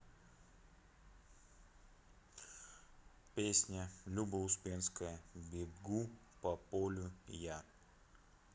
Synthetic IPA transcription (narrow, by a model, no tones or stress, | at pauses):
pʲesʲnʲəlʲubəʊspʲenskəjəbʲɪɡupɐpolʲʊja